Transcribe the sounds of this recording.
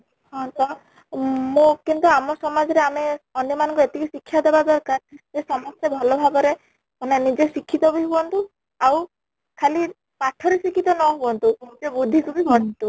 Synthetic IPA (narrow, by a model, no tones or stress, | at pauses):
hɔ̃t̪ɔ | mõkint̪uamɔsɔmad͡ʒɔɾeameɔnjɔmanɔ̃ŋkuet̪ikisikʰːjad̪ebad̪ɔɾkaɾesɔmɔst̪jɔbʱɔlɔbʱaɡɔɾe | ɔnenid͡ʒesikʰːit̪ɔbiɦubɔnt̪u | aw | kʰali | paʈʰɔɾisikʰit̪ɔnɔɦubɔnt̪ud͡ʒebud̪ʱːikubibʱɔɽɔnt̪u